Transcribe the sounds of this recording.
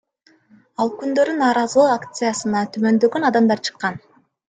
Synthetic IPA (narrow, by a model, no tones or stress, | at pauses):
ɑlˠkynd̪ø̞ɾynɑːɾɑzɯlˠuakt̪sɨjasɯnɑt̪ʰymø̞nd̪ø̞ɡønɑd̪ɑmd̪ɑɾt͡ʃʰɯ̥qːɑn